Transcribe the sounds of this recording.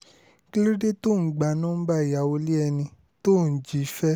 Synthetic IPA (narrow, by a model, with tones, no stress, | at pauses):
ki˦lo˦de˦to˦˨ɡ͡ba˨nũ˦ba˦i˨ja˨o˧li˦ɛ˧nĩ˧ | to˦˨n̩˨d͡ʒi˨˦fɛ˦